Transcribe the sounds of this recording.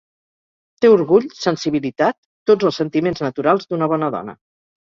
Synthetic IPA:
t̪euɾɣuʎsənsiβ̞ilit̪at̪ːod͡zəlˠsənt̪imenznət̪uɾalˠzd̪unəβ̞ɔnəðɔ̰nə̰

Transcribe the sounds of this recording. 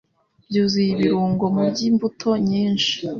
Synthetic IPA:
bjuːzijiβiɾuːŋɡo̞mubɟimbutʰo̞ɲiːnʃi̥

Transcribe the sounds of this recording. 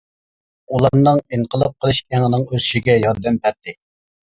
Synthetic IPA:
ulˠɑɾnɨŋiŋqʰəlˠɨp̚qʰəlˠɨʃæŋənɨŋøzyʃiɡʲɛjɑɾd̪ɛmpʰæɾt̪ɪ

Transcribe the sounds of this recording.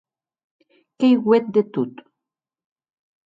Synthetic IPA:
kejɣwet̪̚d̪et̪ut̪

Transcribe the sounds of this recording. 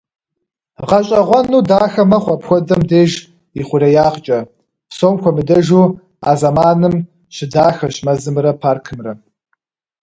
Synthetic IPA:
ʁɐɕʼɐʁʷɔnuːdaːxɐmɐχʷɔpxʷɔdɐmdeːʒ | iχʷʊɾɐjaːqt͡ʃʼɐ | psoːmkʷʰɔmɨdɐʒuː | a̰ːzɐmaːnɨm | ɕɪdaːxɐɕmɐzɨmrɐpʰaːrkʰɨmrɐ

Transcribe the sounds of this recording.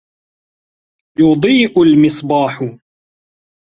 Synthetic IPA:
jʊd̪ˤiːʔʊlmɪsˤbɑːħʊ

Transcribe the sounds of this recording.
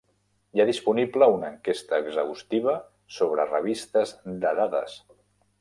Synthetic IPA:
jaðispunibləunəŋkest̪əːɡzəust̪iβ̞ə | soβ̞ɾərəβ̞ist̪əzd̪əðaðə̰s

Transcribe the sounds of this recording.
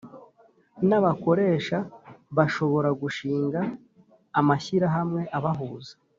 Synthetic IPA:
naβako̞ɾe̞ːʃaβaʃo̞βo̞ɾaɡuʃiːŋɡaː | maçiɾaɦamŋe̞ʔaβaɦuːzḁ

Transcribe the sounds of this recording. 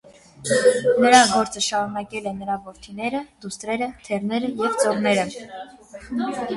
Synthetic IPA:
nəɾɑɡɔɾt͡səʃɑɾunɑkɛlɛnəɾɑvɔɾt̪ʰinɛɾəd̪̥ust̪ɾɛɾət̪ʰɛrnɛɾəjɛvt͡sɔʁnɛɾə

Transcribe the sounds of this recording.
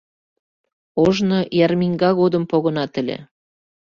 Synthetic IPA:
oʒnojɑrmiŋɡɑɣod̪əmpoɣənɑt̪ə̆lʲḛ

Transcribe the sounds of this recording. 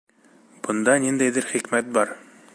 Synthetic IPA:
b̥ɤ̆nd̪ɑnind̪æjðɘɾχikmæt̪̚bɑɾ

